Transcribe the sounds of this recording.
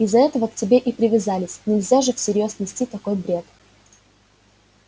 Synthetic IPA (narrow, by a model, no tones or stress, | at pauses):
ɪzːɐɛt̪əvəktʲɪbʲe̞ʔipɾʲɪvʲɪzalʲɪsʲnʲɪlʲzʲaʐɨfsʲɪɾʲjosnʲɪsʲtʲit̪ɐko̞jbɾʲe̞t̪